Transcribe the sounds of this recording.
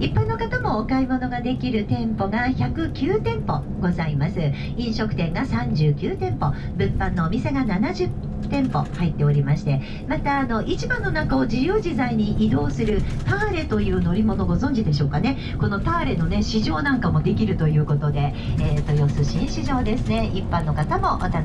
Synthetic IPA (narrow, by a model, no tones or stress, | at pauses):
ipːãnːo̞kat̪amo̞ːkaimo̞no̞ɡad̪e̞kʲiɾɯ̟t̪ẽ̞mpo̞ɡaçakɯ̟kʲɨːt̪ẽ̞mpo̞ | ɡo̞zaimasɨ | ĩɰ̃ɕo̞kɯ̟̥t̪ẽ̞ŋɡasãɲd͡ʑɨːkʲɨːt̪ẽ̞mpo̞ | bɯ̟̃mpãnːo̞ːmʲise̞ɡananaʑɨt̪ː | ẽ̞mpo̞̰hait̪ːe̞oɾʲimaɕi̥t̪e̞ | mat̪aːno̞ʔit͡ɕibãnːo̞nakao̞d͡ʑijɯːd͡ʑizaiɲ̟iʔid̪o̞ːsɨɾɯ̟t̪aːɾe̞t̪o̞jɯ̟ːno̞ɾʲimo̞no̞ɡo̞zõ̞ɲ̟d͡ʑid̪e̞ɕ̬o̞ːkane̞ | ko̞no̞t̪aːɾe̞no̞ne̞ɕiʑo̞ːnãŋkamo̞d̪e̞kʲiɾɯ̟t̪o̞jɯ̟ːko̞t̪o̞d̪e̞ | eːt̪ːo̞jo̞sɨɕĩɰ̃ɕiʑo̞ːd̪e̞sɨne̞ipːãnːo̞kat̪amo̞ʔot̪a